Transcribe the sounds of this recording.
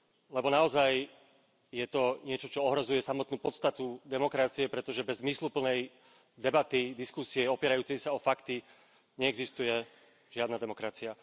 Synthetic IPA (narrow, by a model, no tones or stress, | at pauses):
lɛbɔnaɔzaj | jɛt̪ɔɲɪɛt͡ʃɔt͡ʃɔɔɦɾɔzujɛsamɔt̪nuːpɔt̪st̪at̪ud̪ɛmɔkɾat͡siɛpɾɛt̪ɔʒɛbɛzːmislupl̩nɛj | d̪ɛbat̪id̪iskusiɛɔpɪɛɾajuːt͡sɛjsaɔfakt̪i | ɲɛɛɡzist̪ujɛ | ʒɪad̪nad̪ɛmɔkɾat͡sia